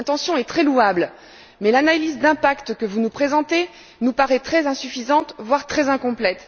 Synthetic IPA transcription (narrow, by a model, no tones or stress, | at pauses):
ɛ̃t̪ɑ̃sjɔ̃ɛt̪χɛluabl | mɛlanalizd̪ɛ̃pakt̪kəvunupχezɑ̃t̪e | nupaʁɛt̪χɛzɛ̃syfizɑ̃t̪vwaʁt̪χɛzɛ̃kɔ̃plɛt̪